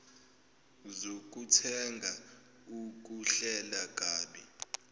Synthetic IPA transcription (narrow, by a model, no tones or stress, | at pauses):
zok̬ʼutʰɛŋɡʱa | uk̬ʼuɬɛlak̬ʼaːɓi